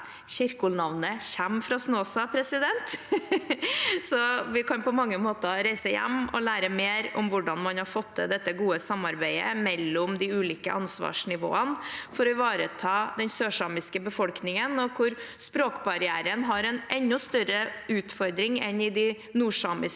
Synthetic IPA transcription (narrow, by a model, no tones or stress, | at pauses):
ɕɪɾkʊlnɑʋnəçæmfɾɑsnoːsɑpʰɾɛsɪd̪ɛnt̪ | sɔʋɪkɑnpɔmɑŋːəmoːt̪əɾæɪsəjæ̰mːɔ̰læːɾəmeːɾʊmʋʊɖɑnmɑnhɑɾfɔt̪ːəd̪ɛt̪ːəɡuːəsɑmːɑɾbæɪə̰mɛlːʊmd̪ɪʉːliːkə̰ʔɑnsʋɑ̰ːʂnɪʋo̰ːənfɔɾɔɪʋɑːɾət̪ʰɑːd̪ɛnsøːʂɑmɪskəbəfɔlknɪŋənɔkʰʊɾspɾoːkbɑɾɪæːɾənɦɑɾɛnʔɛnːɔst̪œɾəʉːt̪fɔɾd̪ɾɪŋɛnɪd̪ɪ | nuːʂɑːmɪs